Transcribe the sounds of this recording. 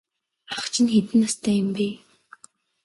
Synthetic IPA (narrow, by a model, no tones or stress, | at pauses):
aχt͡ɕʰɪ̆nxet̪ɘ̆nːast̪ʰæːjʊ̆mpeː